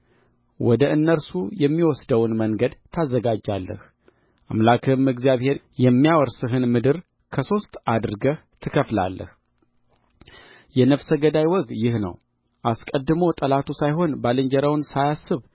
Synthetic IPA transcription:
wɔd̪əʔɨnːəɾsujɛmːiwɔsd̪əwnməŋɡəd̪t̪ʰːazːəɡad͡ʒalːə̰h | ʔa̰mlakʰɨmɨɡzijaβhe̞ɾjɛmːijawɔɾsɨɦɨnmɨd̪ɨɾ | kʰəso̞st̪ad̪ɨɾɡəht̪ʰɨkʰəfla̰lːə̰h | jɛnəfsəɡəd̪ajwɔɡjɪhnə̰w | ʔaskʼəd̪ːɨmot̪ʼəlat̪ʰusajɦo̞nbalɨɲd͡ʒəɾəwnsajasːɨβ

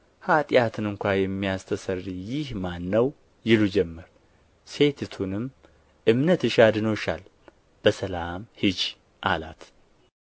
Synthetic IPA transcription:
hat̪ʼjat̪ʰɨnɨŋkʷajɛmːijast̪ʰəsərːijɪhmanːəw | jɪlud͡ʒɛmːəɾ | se̞t̪ʰt̪ʰunɨm | ʔɨmnət̪ɨʃad̪ɨnoʃa̰l | b̥əsəlamhɨd͡ʒ | ʔa̰la̰t̪

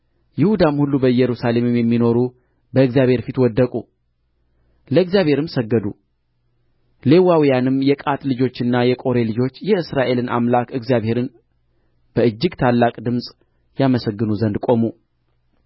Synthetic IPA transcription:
jɪhud̪amhulːubəjɛɾusale̞mɨmjɛmːino̞ɾu | bəɨɡzjaβhe̞ɾfit̪wɔd̪ːəkʼu | ləɨɡzjaβhe̞ɾɨmsəɡːəd̪u | le̞wawijanɨmjɛkʼat̪ʼlɨd͡ʒo̞t͡ʃːɨnːajɛkʼo̞ɾe̞lɨd͡ʒo̞t͡ʃːjɛɨsɾaʔe̞lɨnʔa̰mlakɨɡzijaβhe̞ɾɨn | b̥əɨd͡ʒːɪɡt̪ʰalːakʼd̪ɨmsʼ | jaməsəɡːɨnuzənd̪kʼo̞mu

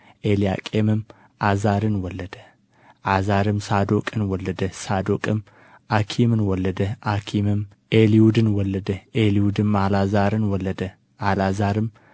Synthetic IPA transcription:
ʔelija̰kʼemɨm | ʔazaɾɨnwɔlːɐd̪̥ə | ʔazaɾɨmsad̪okʼɨnwɔlːɐd̪ɐsad̪okʼɨm | ʔakʰimɨnwɔlɐd̪ɐʔakʰimɨm | ʔeliud̪ɨnwɔlːɐd̪ɐʔeliud̪ɨmalazaɾɨnwɔlːɐd̪ɐ | ʔalazaɾɨm

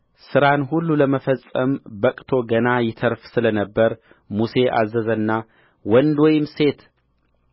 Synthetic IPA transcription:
sɨɾanɦulːuləməfəsʼːəmbəkʼt̪ʰo̞ɡənajɪt̪ʰəɾfsɨlənəbːəɾ | muse̞ʔa̰zːəzənːa | wɔnd̪wɔjɪmse̞t̪

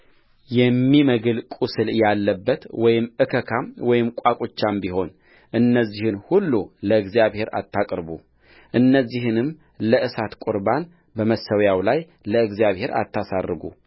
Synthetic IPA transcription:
jɛmːiməɡɨlkʼusɨljalːəbːət̪wɔjɪmɨkʰəkʰamwɔjɪmkʷʼakʼot͡ʃːambiɦo̞n | ʔɨnːəzːihɨnhulːuləɨɡzijaβhe̞ɾa̰t̪ʰːakʼɾbu | ʔɨnːəzːihɨnɨm | ləʔɨsat̪kʷʼuɾban | bəməsəwjawlaj | ləɨɡzijaβhe̞ɾa̰t̪ʰːasarːɨɡṵ

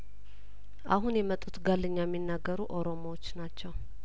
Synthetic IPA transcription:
ʔa̰ɦunjɛmət̪ʼːut̪ɡalːɨɲːajmːinːaɡːəɾuʔo̞ɾo̞mowot͡ʃːnat͡ʃːɛw

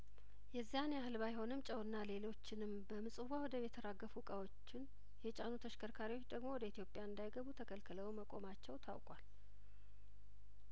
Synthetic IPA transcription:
jɛzːijanjahɨlbajho̞nɨmt͡ʃʼəwɨnːale̞lo̞t͡ʃːɪnɨmbəmɨsʼɨwawɔd̪əβjɛt̪ʰəɾaɡːəfukʼawo̞t͡ʃːɪn | jɛt͡ʃʼanut̪ʰəʃkʰəɾkʰaɾiwot͡ʃːd̪əɡmo̞wɔd̪əit̪ʰjo̞pʼːjaɨnd̪ajɡəβut̪ʰəkʰəlkʰɨləwməkʼo̞̰mat͡ʃːɛwt̪ʰa̰wkʼwal

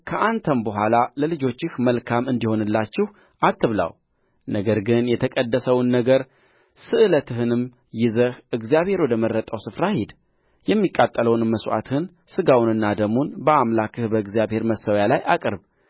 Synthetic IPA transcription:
kʰəʔant̪ʰəmbəɦʷalaləlɨd͡ʒo̞t͡ʃːɪhməlkʰamɨnd̪iho̞nɨlːat͡ʃːɪh | ʔat̪ʰːɨβla̰w | nəɡəɾɡɨnjɛt̪ʰəkʼəd̪ːəsəwnːəɡəɾ | sɨʔɨlət̪ʰɨɦɨnɨm | jɪzəhɨɡzijaβhe̞ɾwɔd̪əmərːət̪ʼəwsɨfɾahɪd̪ | jɛmːikʼat̪ʼːələwnɨmːəswʔa̰t̪ɨhɨn | sɨɡawnɨnːad̪əmunbəamlakʰɨhbəɨɡzijaβhe̞ɾməsəwjalajʔakʼɨɾb

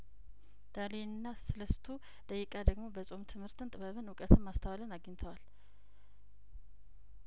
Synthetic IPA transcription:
d̪̥alenɨnːasɨləst̪ʰu | d̪̥əjɪkʼad̪əɡmo̞bəsʼo̞mt̪ʰɨmhɨɾt̪ʰɨnt̪ʼɨβəβɨnwʊkʼət̪ʰɨmːast̪ʰəwalɨnaɡənt̪ʰəwal

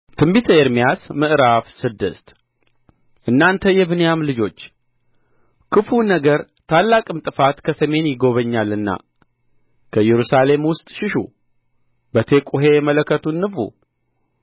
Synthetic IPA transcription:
t̪ʰɨmbit̪ʰəeɾmijasmɨʔɾafsɨd̪ːɨ̰st̪ | ʔɨnːant̪ʰəjɛβɨnjamlɨd͡ʒo̞t͡ʃː | kʰɨfunəɡəɾ | t̪ʰalːakʼɨmt̪ʼɨfat̪kʰəsəme̞njɪɡo̞βəɲːalɨnːa̰ | kʰəjɛɾusale̞mwʊst̪ʼʃɪʃṵ | bət̪ʰe̞kʷʼuɦe̞mələkʰːət̪ʰunːɨfṵ

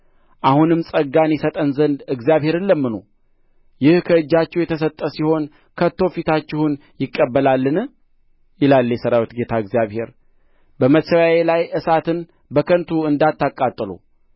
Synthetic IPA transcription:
ʔahunɨmsʼəɡːanjɛsət̪ʼənzənd̪ɨɡzijaβhe̞ɾɨnləmːɨno̰ | jɪhkʰəɨd͡ʒːat͡ʃːɛwjɛt̪ʰəs̬ət̪ʼːəsiho̞n | kʰət̪ːo̞fit̪ʰat͡ʃːɪhunjɪkʼːəbːəlalːɨn | jɪlalːjɛsəɾawit̪ɡe̞t̪ʰaɨɡzijaβhe̞ɾ | bəmət̪səwajelajʔɨsat̪ʰɨn | bəkʰənt̪ʰuɨnd̪at̪ːakʼːat̪ʼːɨlṵ

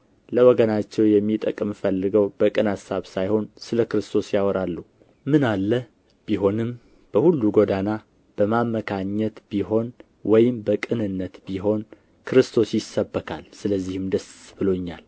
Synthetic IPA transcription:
ləwɔɡənat͡ʃːɛwjɛmːit̪ʼəkʼɨmfəlːɨɡəwbəkʼɨnasːaβsajho̞nsɨləkɨɾɨst̪ʰo̞sjawɔɾalːu | mɨnalːə | b̥iɦo̞nɨm | b̥əhulːuɡod̪ana | b̥əmamːəkʰaɲːɛt̪b̥iɦo̞n | wɔjɪmbəkʼɨnɨnːət̪biɦo̞n | kʰɨɾɨst̪ʰo̞sjɪsːəbːəkʰa̰lsɨləzːihɨmd̪əsbɨlo̞ɲːa̰l

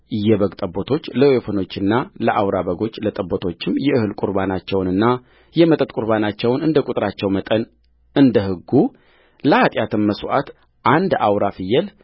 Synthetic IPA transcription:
ɨjːɛβəɡt̪ʼəbːot̪ʰo̞t͡ʃːləwefəno̞t͡ʃːɨnːaləʔawɾaβəɡo̞t͡ʃːlət̪ʼəbːot̪ʰo̞t͡ʃːɪmjɛɨhɨlkʼuɾbanat͡ʃːɛwnɨnːa | jɛmət̪ʼət̪ʼkʼuɾβanat͡ʃːɛwnɨnd̪əkʼut̪ʼɾat͡ʃːɛwmət̪ʼən | ɨnd̪əhɨɡːu | ləat̪ʼjat̪ʰɨmːəswʔa̰t̪ | ʔand̪awɾafɨjːɛl

